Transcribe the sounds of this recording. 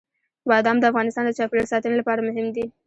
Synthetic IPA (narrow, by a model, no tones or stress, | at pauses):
wɑd̪ɑmd̪əafɣɑnɪst̪ɑnd̪ət͡ʃɑpleɽsɑt̪ənilapɑɾamʊɦɪmd̪i